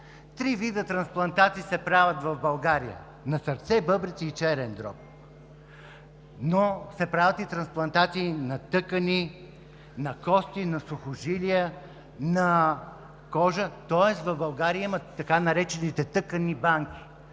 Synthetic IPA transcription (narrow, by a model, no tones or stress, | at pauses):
t̪ɾivid̪ət̪ɾɐnsplˠɐnt̪at̪iːsɛpɾavət̪vɐvbɐlˠɡaɾijə̰ | nɐsəɾt̪sɛbɤbɾit̪siːt͡ʃɛɾɛnd̪ɾɔ̰p̚ | nosɛpɾavət̪it̪ɾɐnsplˠɐnt̪at̪siːnɐt̪ɤkəni | nɐkɔst̪inɐsʊxʊʒiliə | nɐ | kɔʒət̪ɔɛsvɐvbɐlˠɡaɾiəimɐt̪ːɐkanɐɾɛt͡ʃɛnit̪ɛt̪ɤkənibaŋkʲi̥